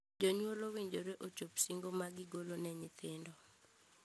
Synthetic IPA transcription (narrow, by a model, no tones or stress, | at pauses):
d͡ʒɔɲwolowiɲd͡ʒoɾeʔot͡ʃopsiŋɡomaɡɪɡolonɛɲɪt̪ɪndɔ